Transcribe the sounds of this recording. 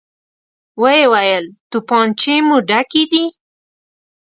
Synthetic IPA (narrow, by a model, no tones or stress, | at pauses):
wəjewajəlt̪upɑnt͡ʃemuɖakid̪i